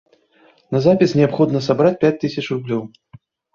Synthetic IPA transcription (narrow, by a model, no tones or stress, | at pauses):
nɐzapʲisnʲɛapxɔd̪nɐsabɾat͡sʲpʲat͡sʲt̪ɨsʲɐt͡ʂrublʲɔw